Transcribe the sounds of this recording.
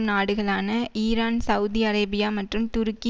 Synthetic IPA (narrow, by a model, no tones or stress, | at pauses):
naːɽɯɣɐɭaːnɐiːɾaːnsɐʋʊðiɐɾeːbɪjaːmɐʈrɯmt̪ʊɾɯki